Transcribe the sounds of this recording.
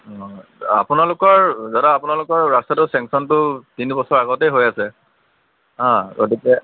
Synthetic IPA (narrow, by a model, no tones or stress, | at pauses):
ɔ̃a̰pʊnalʊkɔɹzadaːpʊnalʊkɔɹɹastatʊsɛ̃ŋksɔntʊtinibɔsɔɹaɡɔtɛjɦojasɛ | ɦãɡot̬ikɛ